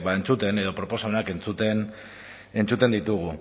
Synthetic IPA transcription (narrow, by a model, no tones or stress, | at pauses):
baent͡sut̪e̞ne̞ð̞o̞pɾo̞po̞samenake̞nt͡sut̪en | e̞nt͡sut̪e̞nd̪it̪uɣ̞u